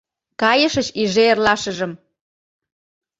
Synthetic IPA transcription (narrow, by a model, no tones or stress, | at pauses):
kɑjəʃət͡ɕiʒeːrlɑʃəʒəm